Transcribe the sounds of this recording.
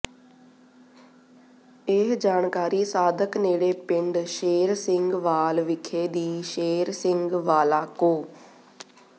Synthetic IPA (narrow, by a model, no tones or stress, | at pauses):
eɦd͡ʒaːnkaːɾiːsaːd̪əkneːɽeːpɪɳɖʃeːɾsɪ̃ŋɡʋaːlʋɪkʰeːd̪iːʃeːɾsɪŋɡʋaːlaːkoː